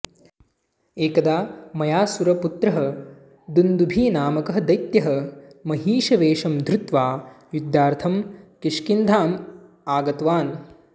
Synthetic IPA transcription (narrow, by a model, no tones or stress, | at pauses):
eːkɐd̪aːmɐjaːsuɾɐput̪ɾɐɦɐ | d̪und̪ubʱiːnaːmɐkɐɦɐd̪ɐjt̪jɐɦɐmɐɦiːʃɐʋeːʂɐmd̪ʱɾut̪ʋaː | jud̪jaːɾt̪ʰɐmkiʂkind̪ʱaːm | aːɡɐt̪ʋaːn